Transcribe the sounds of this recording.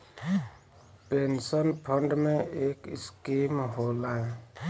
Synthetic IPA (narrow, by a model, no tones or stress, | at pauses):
pensɔnpʰɔɳɖmẽekiskimɦola